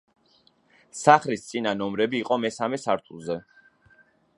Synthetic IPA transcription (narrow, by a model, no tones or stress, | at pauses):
saχlist̪sʼinanɔmɾɛbiːqʼɔmɛsamɛsaɾt̪ʰulˠzɛ